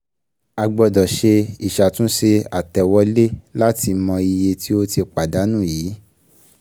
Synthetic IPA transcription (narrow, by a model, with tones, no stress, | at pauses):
a˨ɡ͡bɔ˨˧˨dɔ˨ʃe˧i˨ʃa˨tũ˦ʃe˧a˨tɛ˨wɔ˧le˦la˦ti˧mɔ̃˧i˧je˧ti˦o˦ti˧k͡pa˨da˨˦nũ˦˨jiː˨˦